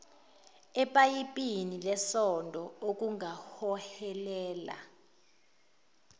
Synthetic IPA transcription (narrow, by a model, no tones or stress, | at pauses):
ɛpʼajipʼinilɛsɔndʱɔok̬ʼuŋʱahɔhɛlɛːla̰